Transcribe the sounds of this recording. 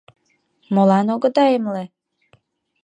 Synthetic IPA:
molɑnoɡə̆d̪ɑjəmle

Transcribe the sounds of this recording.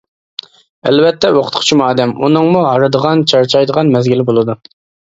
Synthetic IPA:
æ̰lvɛt̪ʰːɛwoqʰʊt̪qʰʊ̥t͡ʃʰimuɑːd̪ɛmunɨŋmuɦɑɾɨd̪əʁɑnt͡ʃʰɑɾt͡ʃʰɑjd̪əʁɑnmɛzɡʲilɪbolˠɨd̪u

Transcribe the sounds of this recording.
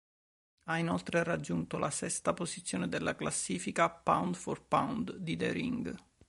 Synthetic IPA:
ainolt̪ɾerad͡ʒːunt̪olʔasɛst̪apozit̪sːjoːned̪elːʔaklasːiːfikapa̰wnd̪fɔrpa̰wnd̪d̪id̪ɛ̰ɾḭŋɡ

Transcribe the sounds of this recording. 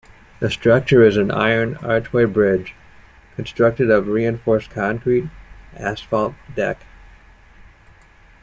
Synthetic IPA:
ðɨstɹ̥ʌk̚t͡ʃə˞ɨzɨ̃na̰ɪə̃˞nɑ̰ɹt͡ʃweɪbɹɪ̥d͡ʒ | kʰɨ̃n̩stɹ̥ʌk̚tɨɾʌvɹiɨ̃ɱfɔɹskʰɑ̃ŋkʰɹiɾʔæsfɑlˠt̚d̥ɛ̰k

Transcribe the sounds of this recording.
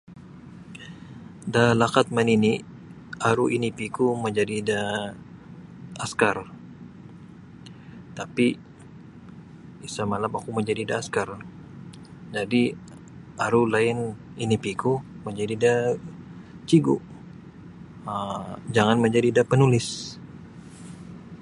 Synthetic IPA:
dalakat̪̚manini | aɾuʔinipikuməɲd͡ʒadida | askar | t̪api | isamalamakuməɲd͡ʒadidaːskar | d͡ʒadi | ʔaɾulaɪn | inipiku | məɲd͡ʒadida | t͡ʃiɡuʔ | əd͡ʒaŋanməɲd͡ʒadidapənulɪs

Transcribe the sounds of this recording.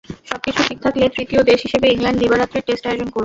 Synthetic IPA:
ʃɔb̚kit͡ɕʰufik̚t̪ʰaklet̪ɾit̪iod̪eʃɦiʃebeiŋlaɳɖd̪ibaɾat̪ːɾeʈesʈaod͡ʑonkoɾ

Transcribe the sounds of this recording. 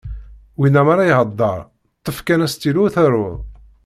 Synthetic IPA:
winːæmaɾajhəd̪ˤːɑ̰ɾˤ | t̪ˤːəfkænæst̪iluθæɾʊð

